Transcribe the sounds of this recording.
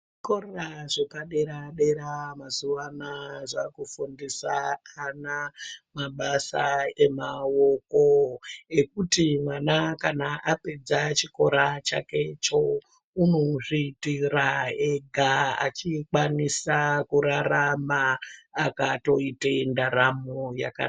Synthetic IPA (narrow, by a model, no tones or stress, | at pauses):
koraʐepaɗe̞ɾaɗe̞ɾamazuʋanaʐakufundisaːnamaɓasa̰e̞mawokoe̞kutimwanakanaʔape̞d͡zat͡ʃiko̞ɾat͡ʃa̰ke̞t͡ʃo̞ | unoʐiːtiraeɡʱaa̰t͡ʃikwanisakuɾaramaːkato̞itaindaɾamoja̰ka̰